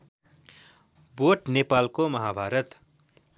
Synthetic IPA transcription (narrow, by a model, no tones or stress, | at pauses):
boʈnepaːlkomʌɦabʱaːɾʌt̪